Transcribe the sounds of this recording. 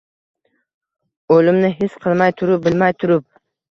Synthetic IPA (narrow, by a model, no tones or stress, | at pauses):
olɪmnɪɦɪsqʰɨlˠmajt̪ʰʊɾʊp̚bɪlmajt̪ʰʊɾɪp̚